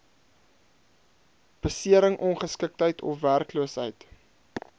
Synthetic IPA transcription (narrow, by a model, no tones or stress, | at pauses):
b̥əsiəɾəŋʔɔnχəskək̚tɦəjtʰɔ̰fværkluəsɦəjt